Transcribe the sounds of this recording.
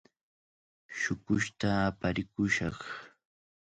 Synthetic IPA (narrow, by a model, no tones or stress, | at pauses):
ʃʊkʊʃt̪aːpaɾɪkʊʃɑχ